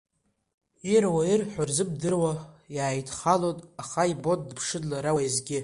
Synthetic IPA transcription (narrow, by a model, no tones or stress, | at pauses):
irwairħʷᶣarzɨb̚dɨrwajaːjtʰχalotʼaχaibo̞t̚ʼdpʰʂɨdlaɾawazɡʲɪ